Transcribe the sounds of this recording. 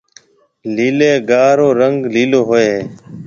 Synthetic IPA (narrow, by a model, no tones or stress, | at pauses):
liːleːɡaːɾõːɾəŋɡliːloːɦoːeː